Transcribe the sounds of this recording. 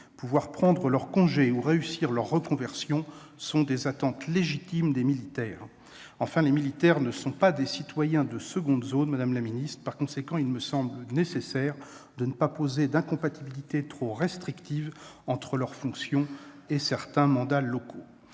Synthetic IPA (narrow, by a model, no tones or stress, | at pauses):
puvwaʁpχɑ̃d̪ʁəlœʁkɔ̃ʒeuʁeysiʁlœʁːəkɔ̃vɛʁsjɔ̃ | sɔ̃d̪ezat̪ɑ̃t̪leʒit̪imd̪emilit̪ɛːʁ | ɑ̃fɛ̃lemilit̪ɛʁnəsɔ̃pad̪esit̪wajɛ̃d̪əsəɡɔ̃d̪zonmad̪amlaminist̪χpaʁkɔ̃sekɑ̃ilməsɑ̃blənesesɛʁ | d̪ənəpapozed̪ɛ̃kɔ̃pat̪ibilit̪et̪χoʁɛst̪χikt̪ivɑ̃t̪χəlœʁfɔ̃ksjɔ̃ | esɛʁt̪ɛ̃mɑ̃d̪alɔkʰo